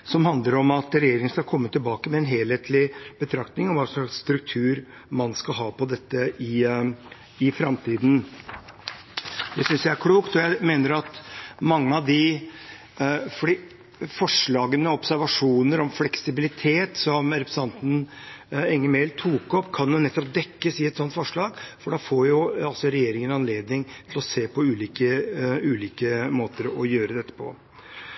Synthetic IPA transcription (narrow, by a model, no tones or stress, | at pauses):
sɔmhɑnd̪ləɾɔmɑt̪ɾɛjeːɾɪŋənskɑlkʰɔmːət̪ʰːɪlbɑːkəmɛɛnɦeːlheːt̪lɪbət̪ʰɾɑkt̪nɪŋɔʋɑːsɔlɑksst̪ɾʉk̚t̪ʰʉːɾ | mɑnskɑɦɑːpɔd̪ɛt̪ːəʔɪ | ɪfɾɑmt̪ʰiːd̪n̩ | d̪ɛsʏnsjæɪæɾkʰɽuːkt̪ɔjæɪmeːnəɾɑt̪mɑŋːəɑʋd̪ɪ | fɔɖi | fɔʂɭɑːɡənəɔpsæɾʋɑʂuːnəɾɔmflɛksɪbɪlɪt̪ʰeːt̪sɔmɾɛpɾəs̩ʰɑnt̪n̩ | ɛŋːəmeɪlt̪ʰuːkɔpːkʰɑnjʊnɛt̪ːɔpd̪ɛkːəsɪɛt̪sɔnt̪fɔʂɭɑːɡfɔɖɑːfoːɾjʊɑlsɔɾɛjeːɾɪŋənɑnleːd̪nɪŋt̪ʰɪlɔseːpʰɔʉːliːkəʉːliːkəmoːt̪əɾɔjøːɾəd̪ɛt̪ːə̥pʰɔ̰